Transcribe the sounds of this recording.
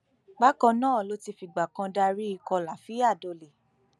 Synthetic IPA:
ɡ͡ba˦kɔ̃˧nãː˦˨lo˦ti˧fi˧ɡ͡ba˨kã˧da˧ɾi˦i˧kɔ˧la˨fi˨˦a˦˨do˧le˨

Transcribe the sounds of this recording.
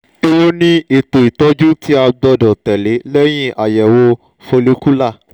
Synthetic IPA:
e˧wo˦nĩ˦e˨to˨i˨tɔ˨˦d͡ʒu˦tʰi˦a˧ɡ͡bɔ˧dɔ˨tɛ˨le˨˦lɛ˦j̃ĩ˦ʔa˨jɛ˨wo˧ | fo˧le˨˦ku˦la˦˨

